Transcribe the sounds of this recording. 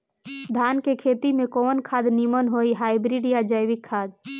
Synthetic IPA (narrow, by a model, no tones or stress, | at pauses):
d̪ʱaːnkekʰeːt̪imẽkoːnkʰaːd̪nimənɦoːiɦaːɪbɾiɖijad͡ʒəjʋɪkʰːaːd̪